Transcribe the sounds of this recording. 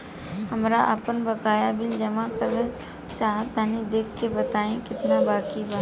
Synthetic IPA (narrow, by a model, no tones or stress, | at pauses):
ɦɐmɾaʔəpənbɐkaːjabɪld͡ʒɐmakəɾə | t͡ʃaːɦət̪ːaːnid̪eːkʰkebɐt̪aːẽkɪt̪nabaːkibʱaː